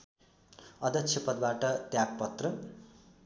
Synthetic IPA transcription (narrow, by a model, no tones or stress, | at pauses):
ʌd̪ʌkt͡sʰjepʌd̪̚baʈʌt̪jaɡ̚pʌt̪rʌ